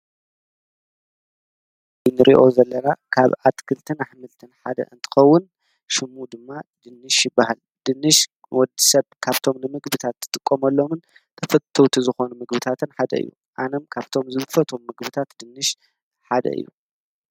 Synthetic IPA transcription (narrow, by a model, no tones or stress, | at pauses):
jnɨɾʔḭʔo̞zɐlːɐnakʰaβat̪kʰɨlt̪ʰɨnaħmɨlt̪ʰɨnħad̪ɐ̰ɨnt̪ʰɨ̥xɐwːʊn | ʃɨmːud̪ɨmːad̪ɨnːɨʃjɪbːahal | d̪̥ɨnːɨʃ | wɔd̪isɐβkʰaβt̪ʰo̞mnɨmɨɡbɨt̪ʰat̪ʰːɨ̥t̪ʼɨkʼːomɐlːo̞mɨn | t̪ʰɐfɐt̪ʰowt̪ʰizɨxo̞numɨɡbɨt̪ʰat̪ʰɨnħad̪ɐ̰ɨ̰jːṵ | ʔanomkʰaβt̪ʰo̞mzɨbfɐt̪ʰomːɨɡbɨt̪ʰat̪d̪ɨnːɨʃ | ħad̪ɐ̰ʔɨ̰jːṵ